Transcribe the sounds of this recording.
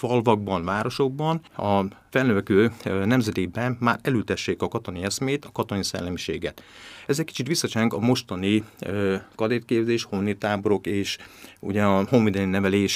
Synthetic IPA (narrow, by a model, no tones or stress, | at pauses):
fɒlvɒɡ̚bɒnvaːɾo̞ʃo̞ɡ̚bɒnɒfɛlnøvɛkøːnɛmzɛd̪eːbɛnːaːɾɛløːt̪ɛʃːeːkɒkɒt̪o̞niɛsmeːt̪ɒkɒt̪onisɛ̰lːɛmiʃḛːɡɛt̪ɛzɛc̚ʲki̥t͡ʃit̪ʋisːɒt͡ʃɛŋkɒmo̞ʃt̪ɒni | kɒd̪eːt̪̚keːbzeːʃhonːit̪aːbo̞ɾo̞keːʃṵɟɛɒhoɱvid̪ɛninɛvɛleːʃ